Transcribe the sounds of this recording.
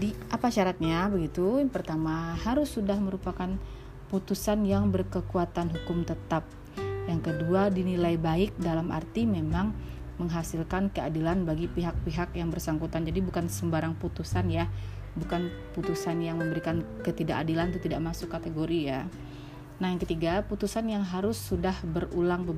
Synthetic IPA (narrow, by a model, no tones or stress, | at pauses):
diʔapaʃaɾat̪̚ɲabəɡit̪ujpərt̪amaɦaɾʊsːudahməɾupakan | put̪usanjaŋbərkəkuat̪anɦukʊmt̪ət̪ap̚ | jaŋkəduadinilajbaɪk̚dalamʔa̰rt̪imemaŋ | məŋɦasilkankəadilanbaɡipiɦak̚piɦakjaŋbərsaŋkut̪and͡ʒadibukansəmbaɾaŋput̪usanja | bukan | put̪usanjaŋməmbəɾikankət̪idaʔadilant̪ut̪idaʔmasʊkːat̪eɡoɾija | nahjaŋkət̪iɡaput̪usanjaŋɦaɾʊsːudahbərulaŋbəb